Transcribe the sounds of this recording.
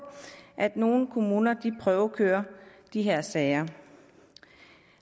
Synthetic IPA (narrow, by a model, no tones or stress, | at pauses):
ʔæd̥no̝ːn̩kʰo̝muːnɐd̥ipʰʁœːʊkʰøːɐd̥iɦeɐ̰sɛːɪɐ